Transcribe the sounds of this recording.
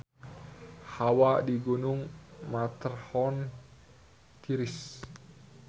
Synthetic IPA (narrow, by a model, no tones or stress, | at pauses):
hawadiɡunuŋmat̪ərhɔn | t̪ʰiɾis